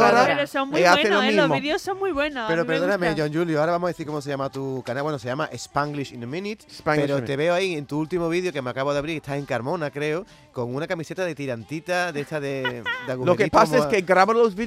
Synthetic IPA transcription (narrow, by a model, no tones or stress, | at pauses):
oɾaɾssoŋmiaθelomĩzmoðjosːoŋmwijβwenopeɾopeɾððonameʝõnd͡ʒuljoaɾaβamohaðeθiɾkomos̬ejamat̪ukanawenosejamaʔespaŋɡliʃinmĩnit̪peɾot̪eβe̞oaient̪uult̪imoβ̞iðjokemeakaβoðaβɾiɾest̪aeŋkaɾmõ̞nakɾe̞o | ko̞ŋunakamise̞t̪aðe̞t̪iɾant̪it̪aðet̪aðed̪aɣulokeipasaeskeɡɾaβoɾlosβi